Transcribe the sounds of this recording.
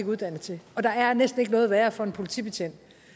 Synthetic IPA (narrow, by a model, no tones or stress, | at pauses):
ɡ̥uðˠd̥æn̰əðt͡sʰe̝ɒ̽d̥ɑ̈æɐnesd̥n̩e̝ɡ̥nɔ̽ːð̞̩ˠʋæːɐfɒ̽e̝npʰo̝lit͡sʰḭːb̥e̝t͡sʰen̰d̥